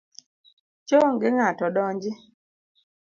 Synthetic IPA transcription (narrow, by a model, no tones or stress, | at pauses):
t͡ʃoŋɡɪŋatɔɗɔɲd͡ʒɪ